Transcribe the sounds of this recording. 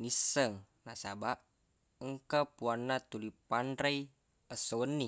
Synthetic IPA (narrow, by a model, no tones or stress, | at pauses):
nisəŋ | nasa̰baʔ | əŋkapuanːat̪ulipanraj | əsowənːi